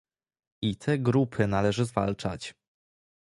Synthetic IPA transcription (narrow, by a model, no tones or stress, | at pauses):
it̪ʰɛɡɾupʰɘnalɛʐɘzva̰lt͡ʂa̰t͡ɕ